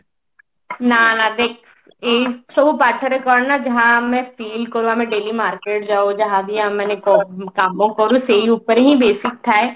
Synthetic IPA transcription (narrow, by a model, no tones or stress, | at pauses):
nanad̪eːkʰ | eːsəʋopaːʈʰəɾekɔːɾɖnad͡ʒɐɦãmɛ̃fiːlkəɾũɦãmɛ̃ɖeːlimaːɾkeːʈ̚d͡ʒaːod͡ʒɐɦãd̪iãmɛ̃ːnekɔkaːmõkəɾũseɦiuːpəɾɦĩbeːsɪk̚t̪ʰaːe